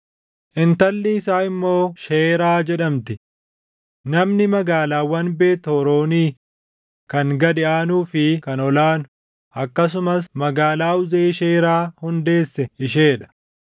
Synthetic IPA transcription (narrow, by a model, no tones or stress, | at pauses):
ʔɪnt̪ɐlːɪːsaːɪmːo̞ːʃeːɾaːd͡ʒɛᶑɐmt̪ɪ | nɐmnɪmɐɡaːlaːwɐnbe̞ːt̪hɔɾo̞ːniː | kɐŋɡɐd̪ɪʔaːnuːfɪkɐnɔlaːnʊ̥ | ʔɐkːɐs̬ʊmɐsmɐɡaːlaːʊzeːʃeːɾaːhʊnd̪e̞ːsːɛɪʃeːᶑɐ̥